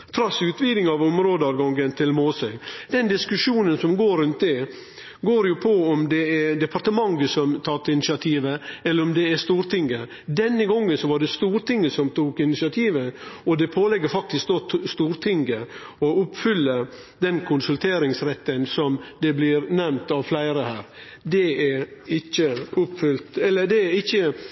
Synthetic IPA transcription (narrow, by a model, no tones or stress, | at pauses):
t̪ʰɾɑsʉːt̪ʋiːd̪ɪŋɑʋʊmɾoːd̪ɑʋɡɑŋɡənt̪ʰɪlmoːsœɪd̪ɛnd̪ɪskʉʂuːnənsɔmɡoːɾʉnt̪̚d̪ɛ | ɡoːɾjʊpʰɔɔmd̪ɛɛd̪ɛpʰɑɾt̪əmɑŋɡəsɔmt̪ʰɑt̪ːɪnɪsɪɑt̪ʰiːʋəɛlːəɾɔmd̪ɛɛst̪uːɾt̪ʰɪŋɡə | d̪ɛnːəɡɔŋːənsɔʋɑɖɛst̪uːɾt̪ɪŋːəsɔmt̪uːkɪnɪsɪɑt̪ʰiːʋəɔd̪ɛpʰoːlɛɡːəɾfɑk̚t̪ɪsk̚d̪oːt̪st̪uːɾt̪ʰɪŋɡə | ɔʊpːfʏlːə | d̪ɛnkʰʊnsʉlt̪ʰeːɾɪŋsɾɛt̪ːənsɔmd̪ɛblɪɾnɛmt̪ɑʋflæɪɾəhæːɾ | d̪ɛæɪçːəʊpfʏlt̪ɛlːəd̪ɛɪçːə